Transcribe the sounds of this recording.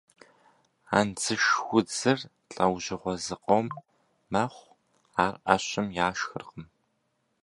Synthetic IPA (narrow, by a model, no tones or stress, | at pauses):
a̰ːnd͡zɨʃxʷʊd͡zɨr | ɬʼɐwʑɪʁʷɔzɨqʼowmː | ɐχʷ | aːrʔɐ̰ɕɐmjaːʃxɨrqəm